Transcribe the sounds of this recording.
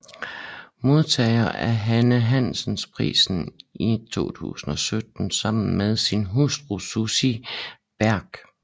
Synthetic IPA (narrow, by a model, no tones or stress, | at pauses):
mo̝ð̞ˠt͡sʰɛ̰ɪɐʔæɐɦænəɦæn̰sn̩spʰʁḭːsn̩it͡sʰo̝̰ːt͡sʰṵːsn̩ɒ̽sød̥n̩sɑ̈m̰n̩meðˠsinɦusd̥ʁususi | b̥æɐɡ̥